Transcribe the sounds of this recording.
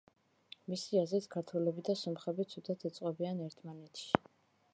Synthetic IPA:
misiazɾit̪ʰkʰaɾt̪ʰulɛbid̪asɔmχɛbit̪sʰud̪at̪ʰɛt̪sʼqʼɔbianɛɾt̪ʰmanɛt̪ʰʃi̥

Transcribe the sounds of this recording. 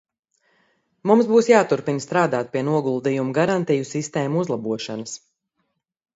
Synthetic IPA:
mumsbuːsjaːt̪uɾpinst̪ɾaːd̪aːt̪̚piɛnuɔɡulˠd̪ijumuɡaɾant̪ijusist̪ɛːmuuzlˠabuɔʃanəs

